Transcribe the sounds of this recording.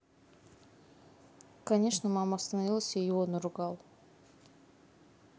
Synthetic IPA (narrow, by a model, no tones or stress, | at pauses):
kɐnʲe̞ʂnəmamast̪ənavʲilˠsʲejuonʊɾʊɡɑlˠ